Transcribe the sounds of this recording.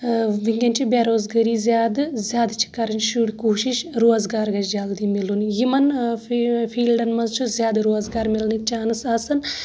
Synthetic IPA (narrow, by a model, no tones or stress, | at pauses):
ʋiŋɡʲɐnʲt͡ʃʰubʲaːɾoːzɡɐɾiːzʲjaːd̪ɨzʲjaːd̪t͡ʃʰi̥kːɐɾɐnʃuɽʲkuːʃiʃɾoːzɡaːɾɡɐɾd͡ʒaːld̪imilunjimɐn | fʰiːlɖɐnmɐzt͡ʃʰuzjaːd̪ɨɾoːzɡaːɾmilnik̚t͡ʃaːnɨsɐːsɐn